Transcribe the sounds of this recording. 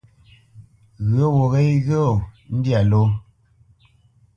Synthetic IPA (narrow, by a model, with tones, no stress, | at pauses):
ɣə˦wo˨ɣe˦jɣə˦o˨n̩˦dja˨lo˦